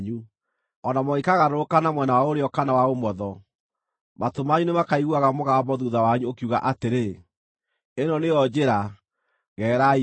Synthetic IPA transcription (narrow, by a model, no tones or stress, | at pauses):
ɲu | ɔnamɔikaɣaɾoɾokanamwɛnawaoɾeɔkanawaomɔðɔ | matomaɲunemakaiɣuaɣamoɣamɔðuðawaɲuokiuɣa̰ʔateɾe | enɔneɔd͡ʑeɾa | ɣɛɾai